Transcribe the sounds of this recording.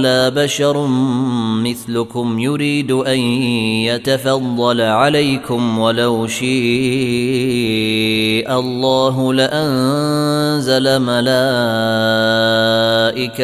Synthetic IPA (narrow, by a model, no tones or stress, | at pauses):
laːbaʃɑɾˤ | mɪθlʊkʊmjʊɾiːd̪ʔanjat̪afɑd̪ˤːɑlʕalajkʊmwalawʃiː | ʔɑlˤːɑːɦʊlɪʔan | zalamalaː | ʔɪka